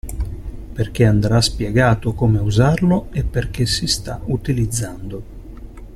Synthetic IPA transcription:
perk̟eand̪ɾaspjɛɡaːt̪okomeuzarloepːerk̟esːist̪aut̪ilid̪zːand̪o

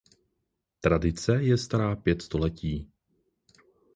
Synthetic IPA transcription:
t̪ɾadɪt͡sɛjɛst̪aɾaːpjɛt̪st̪o̞lɛciː

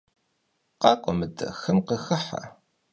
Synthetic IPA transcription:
qɑqʷʼəməd̪xəmqəxəħa̰

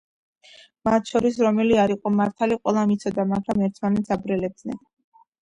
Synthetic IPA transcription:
mat̪ʰʃɔɾisɾɔmɛliaɾiqʼɔmaɾt̪ʰaliqʼwɛlˠamit̪sʰɔd̪amaɡɾamɛɾt̪ʰmanɛt̪sabɾɛlɛb̚d̪nɛ̰n

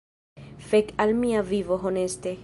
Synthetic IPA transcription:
fekalmiavivoɦonest̪e

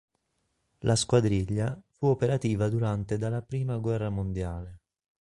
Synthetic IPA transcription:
lʔaskwad̪ɾiʎːafuopeɾat̪iːvad̪uɾant̪ed̪alːapɾiːmaɡwɛrːamond̪jaːle

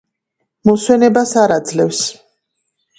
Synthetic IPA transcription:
mɔswɛnɛbasaɾad̪zlɛfs

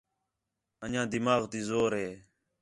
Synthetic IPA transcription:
əɲãːd̪ɪmaːɣt̪iːzoːɾɦeː

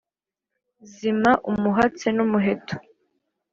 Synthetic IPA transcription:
zimaʔumuɦat͡senumuɦe̞tʰo̥

